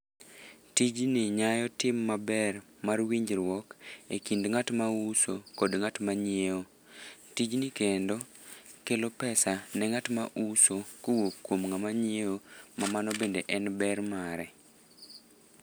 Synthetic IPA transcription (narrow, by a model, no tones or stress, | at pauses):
tid͡ʒnɪɲajɔtɪmːabɛr | marwiɲd͡ʒɾwɔkḛkindŋatmausokodŋatmaɲjeo | tid͡ʒnɪkendo | kelopɛsanɛŋatma̰ʔusokowokːwomŋamaɲɪeomamanɔbendeʔɛnbɛrmaɾɛ